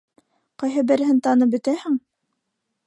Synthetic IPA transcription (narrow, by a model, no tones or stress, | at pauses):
qɑjɦɤbɘ̆ɾɘ̆ɦɘnt̪ɑnɤpbɵ̆t̪æhɘŋ